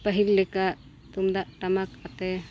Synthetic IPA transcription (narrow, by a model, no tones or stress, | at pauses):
pəɦilːɛkaʔ | t̪umd̪aʔʈamakat̪ɛ